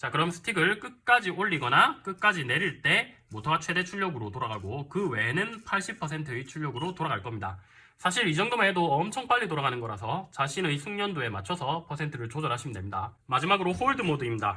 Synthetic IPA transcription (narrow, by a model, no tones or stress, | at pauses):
t͡ɕakɯɾʌmsʰɯ̥tʰiɡɯɭk͈ɯk̚k͈ad͡ʑioɭːiɡʌnak͈ɯk̚k͈ad͡ʑine̞ɾiɭt͈e̞motʰat͡ɕʰwe̞de̞t͡ɕʰuɭːjʌɡɯɾotoɾaɡaɡokɯwe̞nɯnpʰaɭɕ͈ipʰʌs̬ʰe̞ntʰɯit͡ɕʰuʎːʌɡɯɾotoɾaɡaɭk͈ʌmɲida | sʰaɕ̬ʰiɾid͡ʑʌŋdomaedoʌmt͡ɕʰʌŋp͈aʎːit̬oɾaɡanɯnɡʌɾasʰʌt͡ɕaɕʰinɯisʰuŋɲʌndoe̞ma̰t͡ɕʰʌsʰʌpʰʌsʰe̞ntʰɯɾɯɭt͡ɕod͡ʑʌɾɦaɕʰimɯndemɲida̰ | mad͡ʑimaɡɯɾoɸoɭdɯmodɯimɲida̰